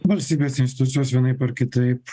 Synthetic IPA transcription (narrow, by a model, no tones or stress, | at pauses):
ʋɐlʲsʲt̪ʲiːbʲeːsɪnʲsʲt̪ʲɪt̪ʊt̪sʲɪjoːsʋʲiɛnɐɪpɐɾkʲɪt̪ɐɪp